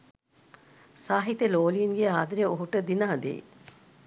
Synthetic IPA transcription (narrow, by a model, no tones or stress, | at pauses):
saːɦit̪eloːliːnɡeaːd̪ɾjəoɦuʈəd̪inəɦɐd̪ḛː